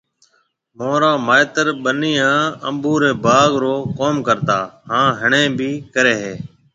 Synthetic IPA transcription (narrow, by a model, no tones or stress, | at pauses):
moːɾaːmaːɪt̪əɾɓəniːãːə̰mbuːɾeːbaːɡɾoːkoːmkəɾt̪aːhãːɦəɳẽːbiːkəɾeːɦeː